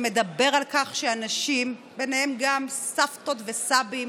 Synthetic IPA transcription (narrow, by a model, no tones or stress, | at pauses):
me̞d̪abe̞ʁalkaχʃeanaʃim | benehemɡamsafto̞t̪vesabim